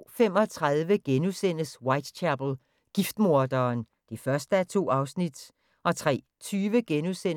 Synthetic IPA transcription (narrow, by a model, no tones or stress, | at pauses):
fem̰ɒ̽t͡sʰʁɑðˠʋəɡ̥enusen̰əswɑ̈ɪd̥t͡ɕʰæb̥l̩ | ɡ̥ifd̥mo̝ɐd̥ɐːn | d̥ifɶɐsd̥əæt͡sʰo̝̰ːɑ̈ʊsnid̥ | ʔɒ̽t͡sʰʁɛ̰ː | t͡sʰyːʋəɡ̥enusen